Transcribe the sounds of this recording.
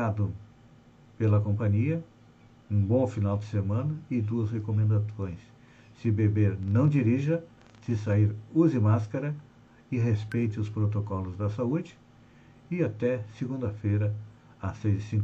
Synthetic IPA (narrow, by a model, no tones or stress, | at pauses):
ad̪ʊ | pelɐkõmpɐ̃ɲiɐ | ũbõfinawd͡ʒɪsemɐ̃nɐɪd̪uɐshekomẽnd̪asõj̃sː | ɪbebeɾnɐ̃w̃d͡ʒiɾiʒɐ | sɪsaiɾuzɪmaskɐɾɐ | ɪɦespejt͡ʃ̪ɪʊspɾot̪okɔlʊzd̪ɐsaud͡ʒɪ | ɪat̪ɛsɪɡũd̪ɐfejɾɐ | ɐsejzɪsĩŋ